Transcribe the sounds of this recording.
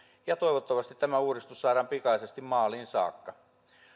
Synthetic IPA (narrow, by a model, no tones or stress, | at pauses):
jɑt̪oiʋot̪ːɑʋɑst̪it̪t̪æmæuːrist̪ussɑːɾɑːmpikɑisest̪immɑːliːnsɑ̰ːkːɑ